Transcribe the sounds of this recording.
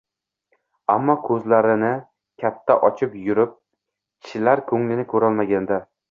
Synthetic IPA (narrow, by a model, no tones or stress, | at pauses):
amːɒkʰɵzlaɾɪnɪ | kʲʰat̪ʰːaʔɒt͡ʃʰɪpjʊɾɪp̚ | kʲʰɪ̥ʃɪlaɾkʰɵŋlɪnɪkʰɵɾalˠmaɡʲand̪a